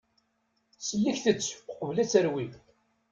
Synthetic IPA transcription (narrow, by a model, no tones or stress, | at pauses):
səlːəçθət͡sːqəvlæt͡sːəɾwi